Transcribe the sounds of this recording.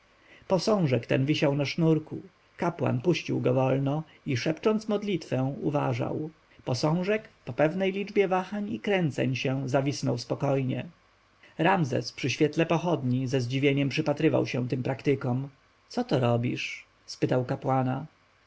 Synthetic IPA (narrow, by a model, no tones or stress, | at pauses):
pɔsɔ̃w̃ʐɛkt̪ɛ̰nvʲiɕawnaʂnuɾku | kapwa̰npuɕt͡ɕiwɡɔvɔlnɔ | iʂɛpt͡ʂɔnt̪smɔd̪lʲit̪fɛ̃w̃uva̰ʐa̰w | pɔsɔ̃w̃ʐɛkpɔpɛvnɛjlʲid͡ʐbʲjɛvaxaɲikɾɛnt̪sɛ̰ɲɕɛ̃zavʲisnɔwspɔkɔjɲɛ̰ | ɾamzɛ̰spʂɘɕfʲjɛt̪lɛpɔxɔd̪ɲizɛzd͡ʑivʲjeɲɛmpʂɘpat̪ɾɘva̰wɕɛ̃t̪ɘmpɾakt̪ɘkɔm | sɔt̪ɔɾɔbʲiʂ | spɘt̪awkapwana